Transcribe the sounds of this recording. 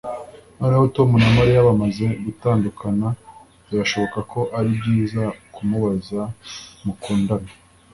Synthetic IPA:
no̞ːne̞ho̞to̞munamaɾijaβamaze̞ɡutaːndukʰana | iɾaʃo̞βo̞kakʰo̞ʔaɾibɟiːzakʰumuβazamukuːndana

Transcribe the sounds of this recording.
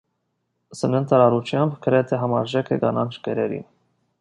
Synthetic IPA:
sənənt̪ʰɑɾɑɾut͡ʃʰjɑmbkəɾɛt̪ʰɛɦɑmɑɾʒɛkʰəɡɑnɑnʃkɛɾɛɾḭn

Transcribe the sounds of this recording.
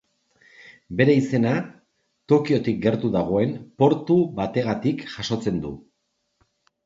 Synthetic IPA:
be̞ɾe̞ise̞na | t̪o̞kio̞t̪ik̚ɡe̞ɾt̪uðaɣ̞o̞e̞mpo̞ɾt̪uβat̪e̞ɣ̞at̪ikʝaso̞t͡se̞nd̪ṵ

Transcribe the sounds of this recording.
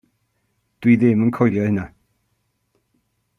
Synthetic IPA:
d̥wiðɪmənkʰɔjlˠjɔhɪna

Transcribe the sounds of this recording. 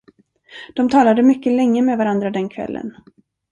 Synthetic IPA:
d̪̥ɔmt̪ʰɑːlad̪əmʏkːəlɛŋːəmɛːvaɾand̪ɾad̪ɛnkʰvɛ̰lːʔə̰n

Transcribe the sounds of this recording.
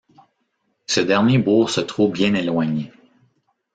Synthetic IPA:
səd̪ɛʁnjebuːʁsət̪ʁobjɛ̃nelwaɲe

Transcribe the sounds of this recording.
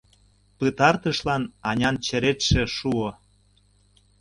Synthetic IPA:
pət̪ɑrt̪əʃlɑnɑnʲɑnt͡ɕə̆ɾet̪ʃĕʃuo

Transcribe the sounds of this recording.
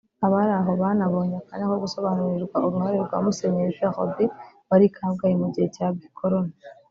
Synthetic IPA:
aβaɾaɦo̞βanaβo̞ːɲekanekoɡuso̞βanuɾiɾɡwauɾuhaɾeɾɡwa̰ːmuse̞ɲeiʒaxo̰biβaɾikʰaːβɡajemuɟihecabɡikʰoɾo̞na

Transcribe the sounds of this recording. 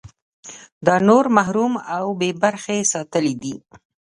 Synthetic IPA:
d̪ɑnoɾmaɦɾumawbebaɾxesɑt̪əlid̪i

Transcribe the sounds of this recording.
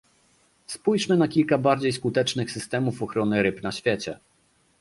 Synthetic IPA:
spujʂmɘnakʲilkabaɾd͡ʑejskut̪ɛt͡ʂnɘxsɘst̪ɛmufɔxɾɔnɘɾɘpnaɕfʲjɛt͡ɕɛ

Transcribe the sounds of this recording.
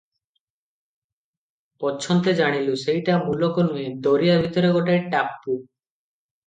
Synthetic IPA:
pɔt͡ʃʰɔnt̪ed͡ʒaɽ̃ilusejʈamulokɔnued̪oɾijabʱit̪ɔɾeɡɔʈaɾʈapːu

